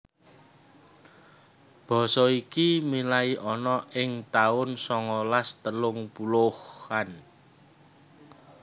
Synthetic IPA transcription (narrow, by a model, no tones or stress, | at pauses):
b̥ɔ̤sɔikimilaiʔɔnɔɪŋt̪aʊnsɔŋɔlast̪əlʊŋpulʊhan